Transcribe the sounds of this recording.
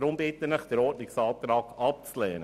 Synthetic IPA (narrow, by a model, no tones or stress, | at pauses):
ɾʊmbɪt̪ənləχd̥əɾɔːtnɪksɑːt̪ɾɑːɡɑp̚t͡slɛːnə